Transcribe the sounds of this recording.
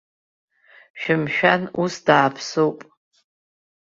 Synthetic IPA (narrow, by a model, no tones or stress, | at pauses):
ʃᶣɪmʃᶣanusdaːpʰsowpʼ